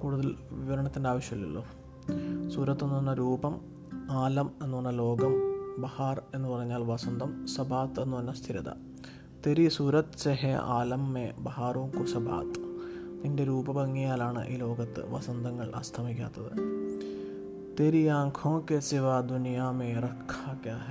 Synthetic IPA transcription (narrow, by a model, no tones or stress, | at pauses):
kuːɽuðɐlʋiʋɐɾɐɳɐt̪ːindeaːʋɐɕjɐilːḭɭːo̰ː | suːɾɐt̪ːenːuʋɐnːɐɾuːbɐm | aːlɐme̞nːuʋɐɳːɐlo̞ːɡɐmbɐhaːre̞nːɨpɐrɐɲːaːlʋɐsɐnd̪ʱɐmsɐbʱaːt̪e̞nːuʋɐnːɐst̪ʰiɾɐd̪ɐ̰ | t̪eɾisuɾɐt̪t͡ɕeɦea̰ːlɐmːebɐɦaːruːmkusɐbʱa̰ːt̪t̪inde̞ɾuːbɐbɐŋːijaːlaːɳɨ̰ʔḭːlo̞ːɡɐt̪ːɨ̰ʋɐ̰sɐnd̪ʱɐŋːɐɭʔɐ̰st̪ʰɐmikʲːa̰ːt̪ːɐðɨ̰ | t̪eɾiaːŋkʰõːkesiʋaːd̪unjaːmeːrɐkʰːaːkjaːɦe